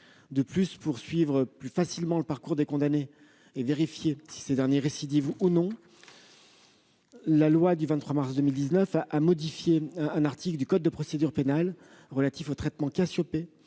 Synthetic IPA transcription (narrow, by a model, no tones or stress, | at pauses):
d̪əplyspuʁsɥivʁəplyfasilmɑ̃ləpaʁkuʁd̪ekɔ̃d̪ane | eveʁifjesi̥sed̪ɛʁnjeʁesid̪ivunɔ̃ | lalwad̪yvɛ̃t̪t̪χwamaʁsd̪əmild̪iznœfaʔamɔd̪ifjeɛ̃naʁt̪ikld̪ykɔd̪̚ːəpχɔsed̪yʁpenal | ʁəlat̪ifot̪χɛt̪mɑ̃kasjɔpe